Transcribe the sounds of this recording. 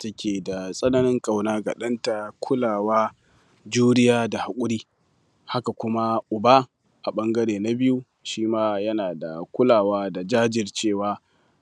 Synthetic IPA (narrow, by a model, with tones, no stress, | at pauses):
tɐ˦kʲʰeː˨da˨sʼɐ˦nɐ˦nɪ˦ŋkʼa˨wnaː˦ɡa̰˨ɗɐ˦nta˨kʷʰʊ˦laː˨waː˦ | d͡ʒuː˦ɽɪ˦jaː˦da˨ha˨kʷʼʊ˦ɾiː˦ | ha˦ka˨kʷʊ˦ma˦ʔʊ˨baː˦ | ʔa˨ɓɐ˦ŋɡɐ˦ɽeː˨na˦bɪ˦ju˦ | ʃiː˦maː˦jɐ˦naː˨da̰˨kʷʊ˦laː˨waː˦da˨d͡ʒaː˦d͡ʒɪ˨rt͡ʃeː˦˨waː˦